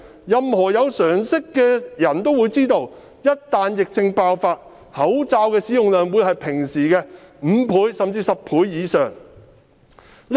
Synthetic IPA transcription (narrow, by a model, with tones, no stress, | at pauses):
jɐ˨mhɔː˨˩jɐ˨˧wsœː˨˩ŋsɪ˥kːɛː˧jɐ˨˩nt̪o˥wuː˨˧jt͡siː˥t̪o˧w | jɐ˥t̚t̪aː˨njɪ˨k̚t͡sɪ˧ŋpaː˧wfaː˧t̚ | hɐ˨˥wt͡saː˧wkɛː˧siː˨˥jʊ˨ŋlœː˨ŋwuː˨˧jhɐ˨jpʰɪ˨˩ŋsiː˨˩kɛː˧m̩ː˨˧˥pʰuː˨˥jsɐ˨mt͡siː˧sɐ˨p̚pʰuː˨˥jːiː˨˧sœː˨˩ŋ | l